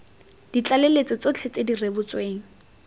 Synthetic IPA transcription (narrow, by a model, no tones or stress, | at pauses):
d̥it͡ɬʼalelet͡sɪt͡sot͡ɬʰet͡sedirebʊt͡sweːŋ̩